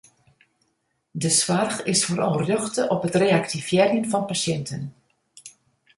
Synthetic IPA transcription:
dəswarxɪsfoːɾɑ̰lˠrjɔxtəʔɔpətreːaktifjɛrjənfɑnpasjɛntʰən

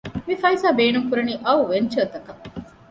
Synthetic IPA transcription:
mifɐisaːbeːnuŋkuɾɐniːʔɐuʋeɲt͡ʃɐːt̪ɐkɐ

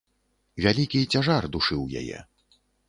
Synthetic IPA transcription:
vʲalʲikʲit͡sʲaʐard̪uʂɨwja̰jɛ̰

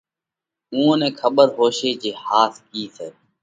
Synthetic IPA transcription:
ũːõːnẽːkʰəɓəɾɦoːʃeːd͡ʒeːhaːt̪kiːseː

